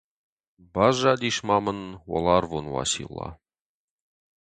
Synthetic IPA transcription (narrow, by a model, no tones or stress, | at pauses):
bɑʒɑd̪iʃmɑmɤnwo̰lˠɑrvonwɑ̰sḭlˠːɑ̰